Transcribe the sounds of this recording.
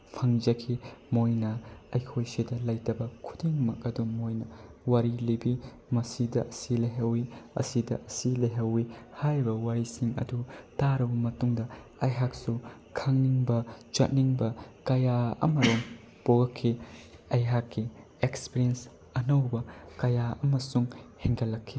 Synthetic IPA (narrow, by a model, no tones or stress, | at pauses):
pʰɐŋd͡ʒɐkʰimojnɐɐjkʰojsidɐlɐjtɐbɐkʰu̥diŋmɐk̚ɐdumojnɐwaɾilibi | mɐsidɐʔɐsilɐjɦɐwiɐ̰sidɐʔɐsilɐjɦɐwihajbɐwaɾisiŋɐ̰dutaɾɐbɐmɐtuŋdɐ | ɐjɦak̚sukʰaŋniŋbɐt͡ʃɐt̚niŋbɐkɐjaɐ̰mɐɾoŋ | poɡɐkʰːiɐjɦakːi | ekspiɾiens | ɐnɐwbɐkɐjaɐmɐsuŋheŋɡɐlːɐkʰːi